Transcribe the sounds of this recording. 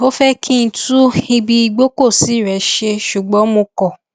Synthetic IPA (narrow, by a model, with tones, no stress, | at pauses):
o˦fɛ˦kʰĩ˦ñ̩˧˦tu˦i˧bi˧i˧ɡ͡bo˦ko˦˨si˨˦˨ɾɛ˨˦ʃe˧ʃu˨ɡ͡bɔ̃˨˦mõ˧kɔ˨